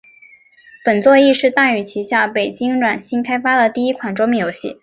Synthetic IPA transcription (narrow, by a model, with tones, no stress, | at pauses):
pə˨˩nt͡swɔ˥˧i˥˧ʂɻ̩˥˧t̪a˥˩y˨˩t͡ɕʰi˧˥ɕja˥˩pe˨˩ɪt͡ɕi˥ŋɻwa˨˩nɕi˥nkʰa˥ɪfa˥d̪ə˨t̪i˥˩i˥kʰwa˨˩nʈ͡ʂwo˥mjɛ˥˩njo˧˥ʊɕḭ˥˩